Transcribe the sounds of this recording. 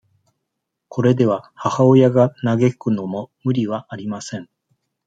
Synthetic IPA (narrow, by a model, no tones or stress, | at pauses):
kʰo̞ɾe̞d̪e̞β̞ahahaojaɡanaɡe̞kɯ̟no̞momɯ̟ɾʲiβaʔːɾʲimasẽ̞ŋ